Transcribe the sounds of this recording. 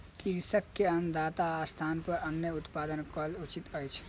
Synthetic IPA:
kiɾsəkːeənd̪aːt̪aːst̪ʰaːnpəɾənjəut̪paːd̪ənkəlut͡ʃit̪əjt͡ʃʰ

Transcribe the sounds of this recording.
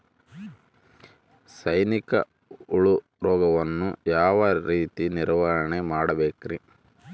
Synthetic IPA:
sɐjnikɐ̰ | uɭu | ɾɔːɡɐʋɐnːujaːʋɐɾiːt̪iniɾʋaːɾɐɳemaːɽɐbeːkɾi

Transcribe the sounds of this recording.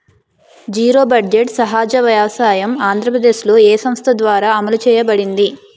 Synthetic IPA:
d͡ʒiːɾo̞ːbɐɖd͡ʒeʈsɐɦaːd͡ʒɐʋjaːʋɐsaːjɐmaːnd̪ʱɾɐpɾɐd̪e̞ːʃlo̞ːeːsɐmst̪ʰɐd̪ʋaːɾaːɐmɐlut͡ʃɛːjɐbɐɽind̪i

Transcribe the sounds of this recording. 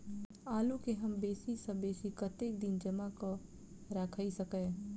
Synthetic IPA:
aːlukeɦɐmbeːsisɐ̃beːsikɐt̪eːkd̪ɪnd͡ʒɐmako | ɾakʰaisɐkə̃

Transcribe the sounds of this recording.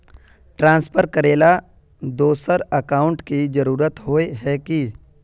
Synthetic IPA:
ʈɾãːnspʰəɾkəɾeːla | d̪oːsəɾɐkaːʊ̃ɳʈkid͡ʒɐɾuːɾət̪ɦoːeɦɛki

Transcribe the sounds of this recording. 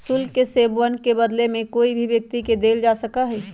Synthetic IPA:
sʊlkeseːbwənkebəd̪lemẽkoːibʱiʋjɐk̚t̪iked̪eːld͡ʒaːsəkaɦɛː

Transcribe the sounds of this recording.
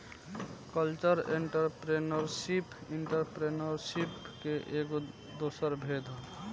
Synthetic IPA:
kəlt͡ʃəɾeɳʈəɾpɾenəɾsipiɳʈəɾpɾenəɾsipkeʔeko | d̪osəɾbʱed̪ʱ

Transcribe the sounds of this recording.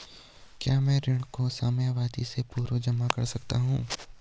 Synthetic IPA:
kjaːmɛ̃ːɾɪɽ̃kosaːmjaʋaːd̪isepuːɾod͡ʒɐmakɐ̰ɾsɐk̚t̪aɦṵ̃ː

